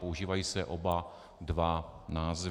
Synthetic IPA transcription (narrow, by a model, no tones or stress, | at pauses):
pouʒiːvajiːsɛʔoba | dvanaːz